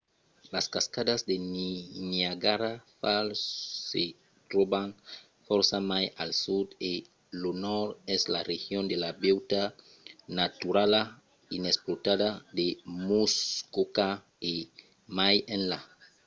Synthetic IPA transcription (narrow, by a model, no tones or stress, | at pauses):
laskaskadazd̪eniɲiaɡaɾafalse | t̪ɾobaŋ | fɔɾsamajalsud̪e | lonɔɾɛzlarehjond̪elabewt̪a | nat̪uɾala | inesplot̪adad̪emuskoka | e | majẽnla